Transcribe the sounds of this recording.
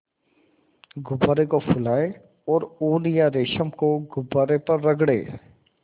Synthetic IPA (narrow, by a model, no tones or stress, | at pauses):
ɡʊbaːɾekofʰʊlaːe | ɔːɾoːlijaɾeːʃəmkoɡʊbaːɾepɐɾːɐɡɽḛː